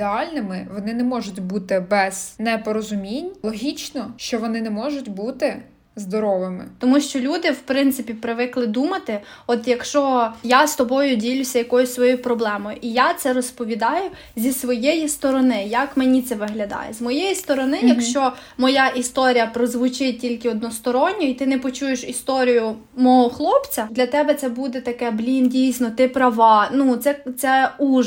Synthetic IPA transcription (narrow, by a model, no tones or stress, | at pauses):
d̪eɑlʲnɪmɪʋɔnɪnɛmɔʒʊtʲbut̪ɪbɛz̥nɛpɔɾɔzʊmʲinʲlˠɔɦʲit͡ʃnɔʃt͡ʃɔʋɔnɪnɛmɔʒʊtʲbut̪ɪ | zd̪ɔɾɔʋɪmɪ̰t̪ɔmuʃt͡ʃɔlʲud̪ɪwpɾɪnt̪sɪpʲipɾɪʋɪklˠɪd̪umɐt̪ɪɔt̪jɐkʃt͡ʃɔjast̪ɔbɔjʊdʲilʲʊsʲɐjɐkɔjʊsʲsʋɔjujpɾɔblˠɛmɔjʊʔijat̪sɛɾɔspɔʋʲid̪ɑjʊ | zʲisʋɔjejist̪ɔɾɔnɪjɐkmenʲit̪sɛʋɪɦlʲɐd̪ɑ̰jɛ̰zmɔjɛjist̪ɔɾɔnɪjɐkʃt͡ʃɔmɔjaʔist̪ɔɾʲijɐpɾɔzʋʊt͡ʃɪt̚ʲtʲilʲkɪɔd̪nɔst̪ɔɾɔnʲːɔit̪ɪnɛpɔt͡ʃujeʃist̪ɔɾʲijʊ | mɔɦɔxlˠɔpt͡sʲɐd̪lʲɐt̪ɛbɛt̪sɛbud̪ɛt̪ɐkɛblʲindʲijsʲnɔt̪ɪpɾɐʋɑnut̪sɛt̪sɛu